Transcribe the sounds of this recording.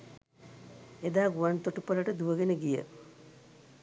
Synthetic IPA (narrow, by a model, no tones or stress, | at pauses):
ed̪aːɡuʋant̪oʈupələʈəd̪uʋəɡenəɡijə̰